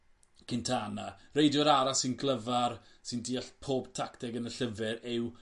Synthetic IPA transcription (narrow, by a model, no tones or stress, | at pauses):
kʰɪntʰanarejdjɔɾaɾasːɪnɡlˠəvarsɪndiːaɬpʰoːb̥tʰaktɛɡənəɬəvɪɾɪw